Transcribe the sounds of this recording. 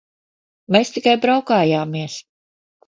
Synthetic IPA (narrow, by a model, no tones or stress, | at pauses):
meːst̪ikajbɾawkaːjaːmiɛs